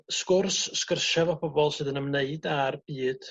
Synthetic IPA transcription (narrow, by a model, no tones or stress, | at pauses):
skʊrsːkərʃavɔbʰɔbɔlˠsɨːðənəmneɨdarb̥iːd̥